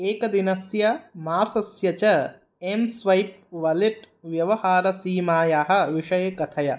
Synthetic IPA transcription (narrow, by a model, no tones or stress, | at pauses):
eːkɐd̪inɐsjɐmaːsɐsjɐt͡ʃɐ | emsʋɐjp̚ʋɐleʈ | ʋjɐʋɐhaːɾɐsiːmaːjaːɦɐ̆ʋiʂɐjɐkɐt̪ʰɐjɐ